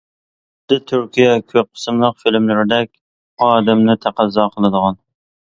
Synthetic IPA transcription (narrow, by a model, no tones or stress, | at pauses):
d̪ɪt̪ʰyɾkʲijɛkʲʰøp̚qʰːə̥sɨmlˠəqfilmlɪɾɪd̪ɛkʲ | ɑːd̪ɛmnɪt̪ʰæqʰæzːɑːqʰəlˠɨd̪əʁɑn